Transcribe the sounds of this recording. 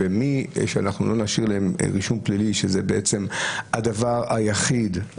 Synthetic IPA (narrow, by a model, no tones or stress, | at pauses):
emiʃeanaχnulo̞naʃiʁlaem̰ʁiʃumpliliʃezebeʔet͡semadavaʁajaχid